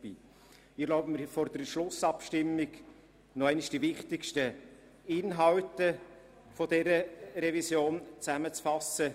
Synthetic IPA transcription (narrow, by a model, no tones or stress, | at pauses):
b̥iː | ɪlɔʊbməfɔɾdəɾʃlʊsɑpʃtɪmːɪɡ | nɔæɪniʃd̥ivɪχtɪkʃtə | ɪnɦɑwtə | fɔdɛɾəɾɛvisjoːnt͡sæmət͡sfɑsə